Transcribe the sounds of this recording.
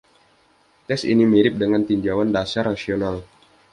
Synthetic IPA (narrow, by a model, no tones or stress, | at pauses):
t̪ɛsḭnimiɾɪp̚dəŋant̪iɲd͡ʒawandasarnasional